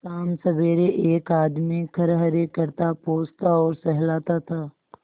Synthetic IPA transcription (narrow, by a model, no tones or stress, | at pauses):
kaːmsɐbeːɾeʔeːkaːd̪mikʰɐɾɦəɾekəɾt̪apoːst̪aɔːɾsɛɦlaːt̪at̪ʰaː